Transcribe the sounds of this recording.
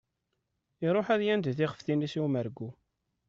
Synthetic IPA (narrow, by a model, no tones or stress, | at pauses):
iɾˤoħæðjænd̪θiʁəfθinisiwməɾɡu